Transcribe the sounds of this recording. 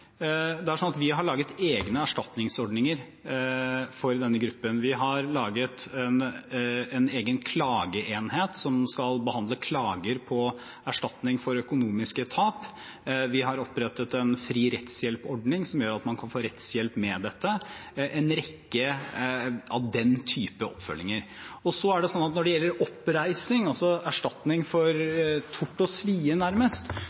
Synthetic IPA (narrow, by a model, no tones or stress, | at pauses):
d̪ɛæɾʂɔnɑt̪ʋɪɦɑɭɑːɡət̪eːɡnəæʂʈɑt̪nɪŋsɔɖnɪŋəɾ | fɔɾd̪ɛnːəɡɾʉpːənʋɪɦɑɾlɑːɡət̪ɛn | ɛneːɡənkʰlɑːɡəʔeːnheːt̪sɔmskɑlbəhɑnd̪ləkʰlɑːɡəɾpʰɔ | æʂʈɑt̪nɪŋfɔɾœkʊnuːmɪskət̪ʰɑːp | ʋɪɦɑɾɔpɾɛt̪ət̪ɛnfɾiːɾɛt̪sjɛlpɔɖnɪŋsɔmjøːɾɑt̪mɑnkʰɑnfoːɾɛt̪sjɛlpmɛd̪ɛt̪ːəʔɛnɾɛkːə | ɑʋd̪ɛnt̪ʰyːpəɔ̰pfœ̰lːɪŋəɾ | ɔsɔæɖɛsɔnːɑt̪nɔɖɛjɛlːəɾɔpɾæɪsɪŋɑlsɔæʂʈɑt̪nɪŋfɔɾt̪ʰʊʈːɔsʋiːənæɾməst̪